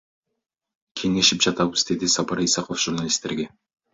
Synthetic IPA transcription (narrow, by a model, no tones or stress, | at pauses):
kʲʰe̞ŋe̞ʃɪpʒ̥ɑt̪ɑbəst̪ed̪ɪsɑpɑɾisɑqofʒ̥uɾnalʲist̪ːe̞ɾɡʲe̞